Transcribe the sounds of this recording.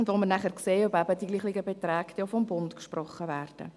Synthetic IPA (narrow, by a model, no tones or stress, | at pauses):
ʊndʋomənæχəɾkseːœbæbədiɡliːχliɡəbetɾɛːkt̪ofɔmbʊntkʃpɾɔχːəvæːɾd̥ə̰